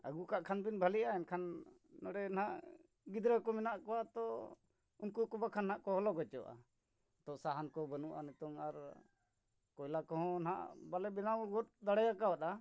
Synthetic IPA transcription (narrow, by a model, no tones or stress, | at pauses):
ə̰ɡukaʔkʰanbinbʱaliʔaɛnkʰanː | ɔɽɛn̤aʔ | ɡid̪ɾəkɔminaʔkɔwat̪ɔ | unkukɔbakʰanɦaʔkɔɦɔlɔɡɔt͡ʃɔʔa̰ | t̪ɔʔsaɦankɔbənuʔa̰nɛt̪ɔŋaɾ | kɔjlakɔɦɔ̃nɦa̰ʔbalɛbinawɡɔt̪̚d̪aɽɛjakawat̪a